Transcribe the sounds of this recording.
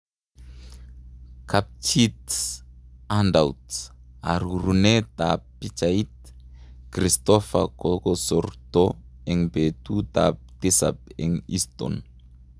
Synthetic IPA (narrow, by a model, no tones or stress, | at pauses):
kʰap̚t͡ʃit̪ | andawt̪ | a̰ɾuɾunet̪apːit͡ʃait̪̚ | krist̪ɔfa̰kokosɔɾt̪o | ɛŋbet̪ut̪a̰p̚t̪esa̰p̚ɛŋḭst̪ɔ̰n